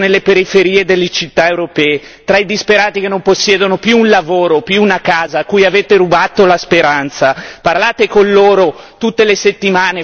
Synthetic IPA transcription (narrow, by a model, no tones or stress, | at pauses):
nelːepeɾifeɾiːed̪elːet͡ʃit̪ːaewɾopɛːe | t̪ɾaid̪ispeɾaːt̪ikenːomposːjɛːd̪onopjuːnlavoːɾopjuːnakaːzaːkːuːjaveːt̪eɾubaːt̪olaspeɾant̪saparlaːt̪ekonloːɾot̪ut̪ːeleset̪ːimaːne